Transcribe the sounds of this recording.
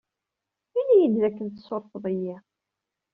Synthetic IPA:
inːijid̪ðækːənt̪soɾˤfðˤəjːi

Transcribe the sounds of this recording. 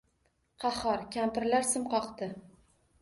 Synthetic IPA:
qʰɑhɒɾkʲʰampɪɾlaɾsɪmqɒqt̪ɪ

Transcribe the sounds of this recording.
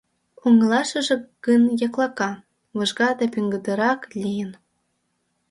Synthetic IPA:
uŋ̆lˠɑʃɤ̆ʒĕkɯnjɑklˠɑkɑ | vɤ̆ʒɡɑd̪ɑpʲyŋɡɤ̆d̪ɤ̆ɾɑklʲijə̆n

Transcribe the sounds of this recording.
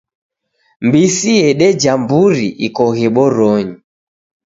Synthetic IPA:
mbisiɛɗɛd͡ʒambuɾiʔikɔɣɛɓɔɾɔɲi

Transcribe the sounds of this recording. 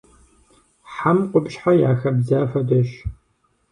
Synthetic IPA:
ħamqʷʊbɕħajaːxɐbzaːfɐdɐʃ

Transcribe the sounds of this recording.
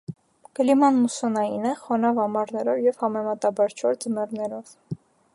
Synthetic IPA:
kəlimɑnmusɔnɑinɛχɔnɑvɑmɑɾnɛɾɔvjɛvhɑmɛmɑt̪ɑbɑɾt͡ʃʰɔɾd͡zəmɛrnɛɾɔv̥

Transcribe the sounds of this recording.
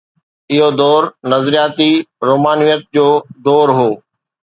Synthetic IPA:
ɪɦod̪ɔːɾnɐzɾijaːt̪iɾoːmaːnijət̪̚d͡ʑoːd̪ɔːɾɦoː

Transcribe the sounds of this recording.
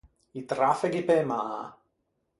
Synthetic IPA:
it̪ɾafɛɡipemaː

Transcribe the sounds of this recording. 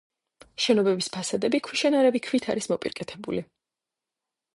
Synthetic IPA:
ʃɛnɔbɛbispʰasad̪ɛbikʰwiʃɛnaɾɛbikʰvit̪ʰa̰ɾismɔpʼḭɾkʼɛt̪ʰɛbṵli

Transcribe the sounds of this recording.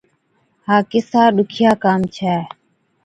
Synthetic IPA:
haːkɪsaːɗʊkʰɪjaːkaːmt͡ʃʰɛː

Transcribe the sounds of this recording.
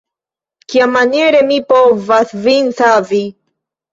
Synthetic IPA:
kjamaneɾemipɔvaθvinθavi

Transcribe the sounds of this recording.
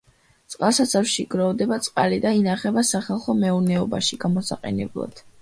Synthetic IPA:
t̪sʼqʼalˠsat̪sʰafʃiɡ̥ɾɔvd̪ɛbat̪sʼqʼalid̪ainaχɛbasaχalˠχɔmɛunɛɔba̰ʃiɡ̥amɔsa̰qʼɛ̰nɛ̰blˠa̰d̪̥

